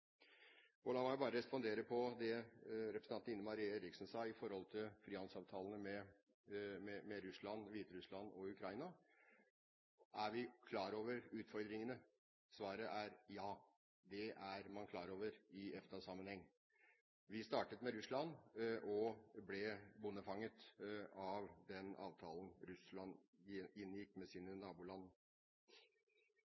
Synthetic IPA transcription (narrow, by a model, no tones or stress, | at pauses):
ɔlɑːmɔæbɑːɾəɾɛspɔnd̪eːɾəpʰɔd̪ɛɾɛpɾəsn̩ɑnɪnːəmɑɾiːɛɾɪksnsɑːɪfɔɾhɔlt̪ʰɪlfɾiːhɑnd̪sɑːʋt̪ʰɑːlənəmɛ | mɛmɛɾʉslɑnʋiːt̪əɾʉslɑnɔʉkʰɾɑɪnɑ | ʔæɾʋɪkʰlɑːɾoːʋəɾʉːt̪fɔɾd̪ɾɪŋənə | sʋɑːɾəʔæɾjɑː | d̪ɛʔæɾmɑnkʰlɑːɾoːʋəɾɪʔɛft̪ɑsɑmːənhɛŋː | ʋɪst̪ɑːʈət̪mɛɾʉslɑnʔɔblɛbʊnːəfɑŋːət̪ɑʋd̪ɛnɑ̰ːʋt̪ʰɑːlnɾʉslɑnɪnːjɪkːmɛsiːnənɑːbuːlɑnːə